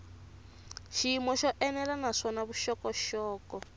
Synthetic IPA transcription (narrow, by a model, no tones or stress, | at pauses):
ʃiimɔʃɔʔɛnɛlanaʂɔnaβuʃɔkɔʃɔːkɔ